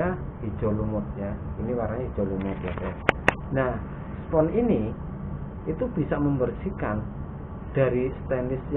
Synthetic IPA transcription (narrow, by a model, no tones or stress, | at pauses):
a | id̥ʒ̥ɔ̤lumʊt̪̚jainiwaɾaŋid̥ʒ̥ɔ̤lumʊt̪̚jaanah | spɔnini | ʔit̪ub̥i̤saʔməmbərsikan | d̪̥a̤ɾist̪ɛndɪsj